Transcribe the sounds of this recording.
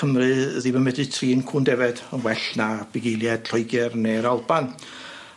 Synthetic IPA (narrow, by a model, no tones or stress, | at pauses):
əmrɨðivəmɛdɨtʰriːnkʰuːndɛvɛd̥ənwɛɬnab̥ɪɡɪjlˠjad̥ɬɔjɡjɛrneɾalˠban